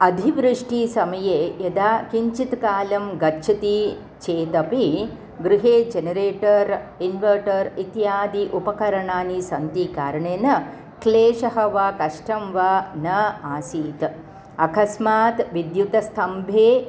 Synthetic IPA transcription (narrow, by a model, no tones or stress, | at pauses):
ɐd̪ʱiʋɾɨʂʈisɐmɐjeːjɐd̪aːkiɲt͡ʃit̪kaːlɐmɡɐːʃʰɐt̪i | t͡ʃeːt̪ɐpi | ɡɾuɦeːd͡ʒenɐɾeːʈɐɾinʋɐɾʈɐɾit̪jaːd̪iʔupɐkɐɾɐɳaːnisɐnt̪ikaːɾɐɳeːnɐ | kleːʃɐɦɐʋakɐʂʈɐmʋaːnɐaːsiːt̪ | ɐkɐsmaːt̪ʋid̪jut̪ɐst̪ʰɐmbʱeː